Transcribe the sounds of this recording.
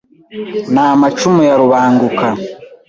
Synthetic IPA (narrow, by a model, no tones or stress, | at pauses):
naːmat͡ʃumujaɾuβaːŋɡuka